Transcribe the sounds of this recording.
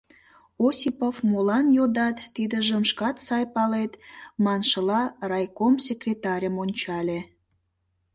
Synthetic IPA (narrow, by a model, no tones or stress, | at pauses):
osʲipofmolɑnjod̪ɑt̪ːid̪əʒəmʃkɑt̪sɑjpɑlet̪mɑnʃəlɑrɑjkomsʲekrʲet̪ɑɾʲəmonʲt͡ɕɑlʲe